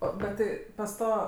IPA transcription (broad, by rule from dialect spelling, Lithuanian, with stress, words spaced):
ˈoː bʲɛt ˈtʲɪ pɐs ˈtoː